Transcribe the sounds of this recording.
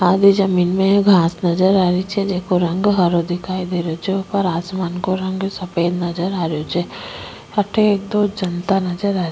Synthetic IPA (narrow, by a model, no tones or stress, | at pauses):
aːd̪id͡ʒɐmiːnmẽɡʱaːsnɐd͡ʒəɾaːɾit͡ʃʰɛd͡ʒeːkoɾɐ̃ŋɡɦɐɾod̪ɪkʰaːid̪eːɾot͡ʃʰɛopəɾaːsmaːnkoɾɐ̃ŋɡsɐpeːd̪nɐd͡ʒəɾaːɾejot͡ʃʰɛ | ɐʈʰeeːk̚d̪oːd͡ʒɐnt̪anɐd͡ʒəɾaː